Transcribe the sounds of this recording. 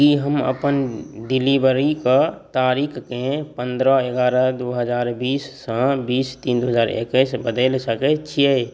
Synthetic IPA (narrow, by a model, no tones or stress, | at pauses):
kiɦəmə̰pənɖɪlibəɾikat̪aːɾiːkʰkẽpə̃nd̪ɾəeɡaːɾəd̪oːɦəzaːɾbiːsːãbiːst̪iːnd̪oːɦəzaːɾḛkesbəd̪elsəket͡ʃʰi